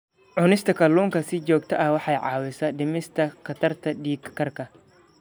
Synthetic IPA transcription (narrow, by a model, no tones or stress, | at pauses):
ʕʊnɪst̪ʰɐkʰɐlːuːŋkʰɐsɪt͡ʃɔːk̚t̪ʰɐʔɐhwɑħɑjʕɑːwɪsɐdɪmɪst̪ʰɐkʰɐt̪ʰɐrt̪ʰɐdiːkkːɐrkʰɐ